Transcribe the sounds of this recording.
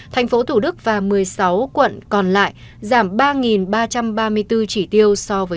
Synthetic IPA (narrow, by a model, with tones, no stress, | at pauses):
t̪ʰɛ˨˩jŋ̟fo˨˦t̪ʰu˧˩ɗɨ˦˥k̚vaː˨˩mɨ˨˩əjsa˨˦wkwə̰˧˨nkɔ˨˩nla̰ː˧˨j | zaː˧˩mɓaː˧ŋi˨˩nɓaː˧t͡ɕa˧mɓaː˧mɨ˧əjt̪ɨ˧t͡ɕi˧˩t̪i˧əwsɔ˧vəː˨˦